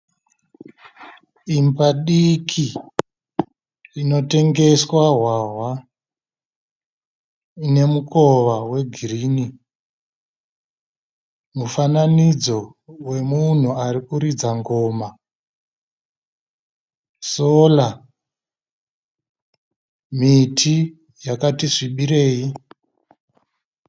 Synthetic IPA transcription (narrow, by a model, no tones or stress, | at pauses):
imbaɗikʰi | rino̞te̞ŋɡe̞swaɦwaɦwa | ine̞muko̞ʋawe̞ɡʱiriːni | mufananid͡zo̞ | we̞mun̤uaɾikuɾid͡zaŋɡo̞ma | soːla | mitʰi | jakatiʐiɓiɾe̞ːji